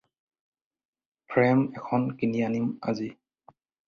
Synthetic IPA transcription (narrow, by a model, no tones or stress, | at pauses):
pʰɹɛmɛkʰɔnkinianima̰zi